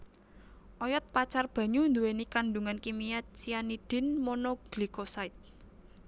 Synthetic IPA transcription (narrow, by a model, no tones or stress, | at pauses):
ʔɔjɔt̪̚pat͡ʃarb̥ä̤ɲund̪uwenikanɖuŋankimijat̪̚t͡ʃijaniɖ̥ɪ̤nmɔnɔɡ̥likosaɪt̪̚